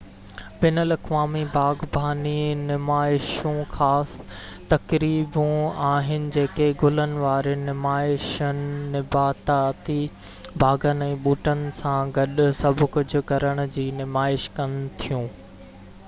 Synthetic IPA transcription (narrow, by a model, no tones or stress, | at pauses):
bɪnəlɐkʋaːmibʱaːɡbʱaːninɪmaːɪʃũxaːst̪ɐkɾiːbũaːɦɪnɪ̆d͡ʑeːkeɡʊlənɪ̆ʋaːɾenɪmaːɪʃənɪːɪbaːt̪at̪i | bʱaːɡənɛ̃ːɓuːʈənɪ̆sãɡɐɗʊsɐbʱʊ̆kʊd͡ʑʱʊ̆kɐɾəɽ̃ʊ̆d͡ʑiːnɪmaːɪʃkɐnɪt̪ʰijũː